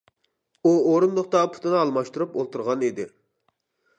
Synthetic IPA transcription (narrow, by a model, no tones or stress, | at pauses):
uoɾumd̪əχ̚t̪ɑpʰu̥t̪ʰɨnɨɑlˠmɑʃt̪uɾupolˠt̪uɾʁɑned̪ɪ